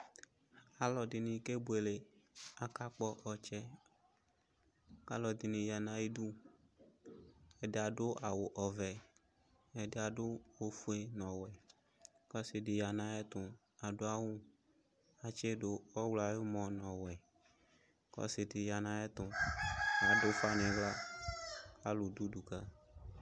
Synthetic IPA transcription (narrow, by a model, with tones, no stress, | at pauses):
a˨lɔ˨dɪ˨nĩ˨ke˦bu˦e˨le˨a˨ka˦k͡pɔ˦ʔɔ˨t͡ʃɛ˦ | ka˦lɔ˨d̪i˨nĩ˨ja˨nã˨i˦du˦ | ɛ˨dɪ˦a˨dʊ˦a˨wʊ˨ʔɔ˨vɛ˨ | ɛ˨dɪ˦a˨dʊ˦wo˦fu˦e˦nɔ̃˨wɛ˨ | kɔ˦sɪ˨ɖɪ˨ja˨nã˨ɛ˦t̪ʊ̃˨ | a˨ɖʊ˦a˦wũ˦ | a˨t͡ʃɛ˦do˦ɔ˦wla˨jo˦mɔ̃˨nɔ̃˨wɛ˨ | kɔ̰˦sɪ˨dɪ˨ja˨nã˨ɛ˦t̪ʊ̃˨ | a˨dʊ˦fa˦nɪ̃˨vla˦ | ka˦lʊ˨du˦du˨ka˦